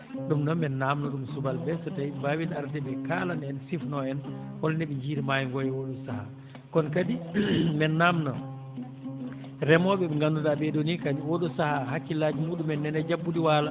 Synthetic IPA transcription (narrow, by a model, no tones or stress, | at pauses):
ɗumnɔnmɛnːaːmnɔɗumsubalbɛsɔtajbaːwilaɾtɛbɛkaːlanɛnsifnɔɛnhɔlnɛɓɛɲd͡ʒiːɾimajŋɡɔjɛwoɗusaha̰ | kɔnkadimɛnːamnɔ | ɾɛmɔɓɛɛŋɡandudabɛɗonikadiwoɗusahaɦakːilaːd͡ʒimuːɗumɛnːɛnɛd͡ʒabːudiwaːla